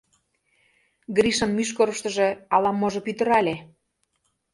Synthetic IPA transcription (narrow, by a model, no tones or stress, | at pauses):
ɡɾiʃɤ̆nmyʃ̬koɾɤ̆ʃt̪ə̆ʒĕɑlɑmːoʒɤ̆pyt̪ə̆ɾɑlʲe